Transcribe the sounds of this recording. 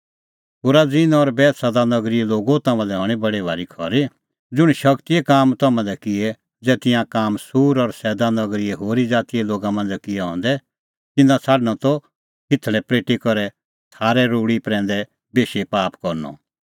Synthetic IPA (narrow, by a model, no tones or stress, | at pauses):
pʊːɾad͡zɪnɔɾbɛːt̪sad̪anɐɡɾɪɛloːɡot̪ɐmãlɛɦɔɽ̃ibɐɽebʱaːɾikʰɔɾe | d͡zʊɽ̃ʃɐkt̪iɛkaːmt̪ɐmãlɛkɪɛ | d͡zɛːt̪ɪjãkaːmsuːɾɔɾsɛːd̪anɐɡɾɪɛɦoːɾid͡zaːt̪ijɛloːɡamɐ̃nd͡zɛkɪjɛɦɔ̰̃ːn̆d̪ɛ | t̪ɪnãt͡sʰaːɖñɔ̃t̪ɔ | kɪt̪ʰlɛpɾeːʈikɔɾɛ | t̪ʰaːɾɛɾuːɽipɾɛ̃ːnd̪ɛ | beːʃepaːpkɔɾnɔ̰